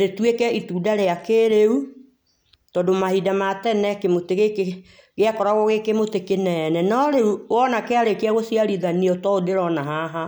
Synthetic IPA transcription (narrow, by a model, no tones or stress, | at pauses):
ɾetwekɛituːdaɾeakeɾeu | tɔdomahidamatɛnɛkemoteɣeke | ɣeakɔɾaɣɔɣekemotekenɛnɛnɔɾeuwɔnakeaɾekeaɣosiaɾiðaniɔtɔodeɾɔnaɦaɦa